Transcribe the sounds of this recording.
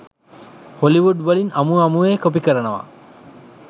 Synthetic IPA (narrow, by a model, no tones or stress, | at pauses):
holiʋuɖbɐlinɐmuɐmueːkop̬ikəɾɐnɐʋa̰